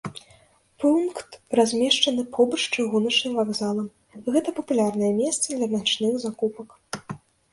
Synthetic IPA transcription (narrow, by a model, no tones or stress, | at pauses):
punkt̪razʲmʲɛʂt͡ʂɐnɨpʰɔbɐt͡ʂt͡ʂɨɣunɐt͡ʂnɨmvaɡzalˠɐm | ɣɛt̪ɐpɐpulʲarnɐjɛmʲɛst̪sɐd̪lʲɐnʲat͡ʂnɨxzakupɐk